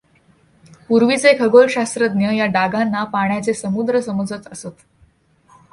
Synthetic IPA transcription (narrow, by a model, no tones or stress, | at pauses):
puɾʋit͡sekʰəɡolɕast̪ɾəd̪̚njəjaɖaɡanːapaɳ̃jat͡sesəmud̪ɾəsəməd͡zət͡s̪əsot̪